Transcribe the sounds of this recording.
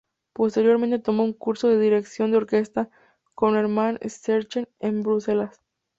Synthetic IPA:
po̞st̪e̞ɾjo̞ɾment̪et̪o̞mo̞uŋkuɾso̞ðe̞ðiɾe̞ksjo̞nd̪eo̞ɾke̞st̪a | ko̞neɾmanḛseɾt͡ʃenẽmbɾuse̞las

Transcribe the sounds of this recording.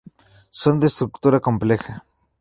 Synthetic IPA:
sond̪est̪ɾukt̪uɾakomplexa

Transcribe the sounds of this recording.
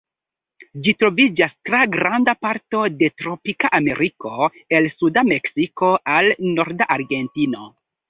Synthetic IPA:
d͡ʒitɾo̞vid͡ʒastɾaɡɾandapaɾto̞de̞tɾo̞pikaʔame̞ɾiko̞ | e̞lsudame̞ksiko̞ʔalno̞ɾdaʔaɾɡe̞ntino̞

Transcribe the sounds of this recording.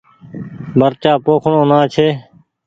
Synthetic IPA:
bʱəɾt͡ʃaːpoːkʰɳõːnãːt͡ʃʰeː

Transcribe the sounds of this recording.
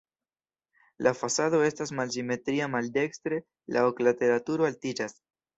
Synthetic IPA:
lʔafasaðoest̪asmalsimet̪ɾiamald̪ekst̪ɾe | lʔa̰oklat̪eɾat̪uɾoalt̪id͡ʒas

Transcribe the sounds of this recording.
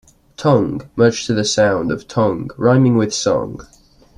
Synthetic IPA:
tʰʌ̃ŋɡmɜˑ˞d͡ʒtʰəðəsãʊ̃ndəv̥tʰʌ̃ŋɡɹãɪ̃mɪ̃ŋwɪð̥sɒ̰̃ŋ

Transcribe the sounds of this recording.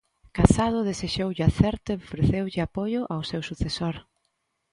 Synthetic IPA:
kasað̞ʊðeseʃowʎaθɛɾt̪ʊeofɾeθewʎɪapojʊʔawsewsuθesoɾ

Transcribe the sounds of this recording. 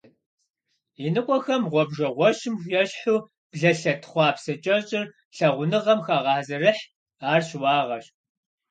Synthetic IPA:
inɨqʷʼɔxɐmʁʷɔbʒɐʁʷɔɕɪmjɛɕħuː | b̥ɮɐɬɐtʰχʷɑːpsɐt͡ʃʼɐɕʼɪr | ɬɐʁʷʊnɨʁɐmxaːʁɑːzɐrɨħ | aːrɕwɑːʁɐɕ

